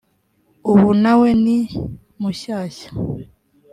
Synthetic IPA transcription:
uβunaweni | muʃaːʃḁ

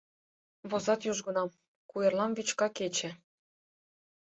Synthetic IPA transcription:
βozɑt̪juʒɡɤ̆nɑm | kujĕrlɑnβyt͡ɕkɑket͡ɕɘ̆

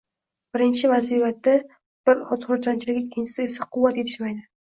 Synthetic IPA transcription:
b̥ɪɾɪnt͡ʃʰɪvazivat̪ːa | b̥ɪɾɒt̪χʊɾt͡ʃʰant͡ʃʰɪlɪkʲɪkʲʰːɪnt͡ʃʰɪ̥sɪe̞saqʰʊwːat̪jet̪ʰɪʃmajd̪ɪ

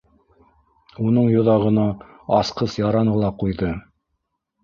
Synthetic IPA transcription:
unɤɴjŏðɑʁɤ̆nɑ | ɑsqɤsjɑɾɑɴɤlˠɑqujðɤ

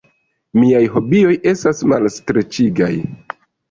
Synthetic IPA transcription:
miajɦo̞bio̞je̞stasmalstɾe̞t͡ʃiɡa̰j

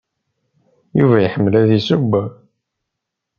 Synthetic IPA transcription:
jṵvæjəħəmːəlæðisubːæ

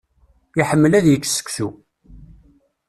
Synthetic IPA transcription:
jiħəmːəlæðjəkːsə̥kʷsu

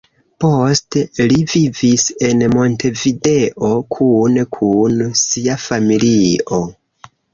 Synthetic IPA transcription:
po̞stelivivise̞nmo̞ntʰe̞vide̞ʔo̞kʰunkʰunsiafamilio̞

